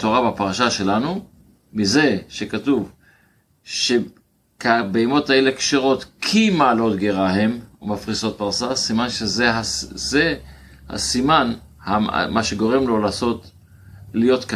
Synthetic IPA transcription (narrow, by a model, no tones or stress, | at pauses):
t̪oʁabapaʁaʃaʃe̞lanu | mize̞ʃekatuv | ʃe | kabeimo̞thae̞lekʃeʁo̞t̪kʰimaːlo̞t̪ɡeʁaɦe̞mumafʁiso̞t̪̚paʁsasimanʃezeaze | ha̰siman | ha̰mʔaʃe̞ɡo̞ʁemlo̞laːso̞t | lijo̞tka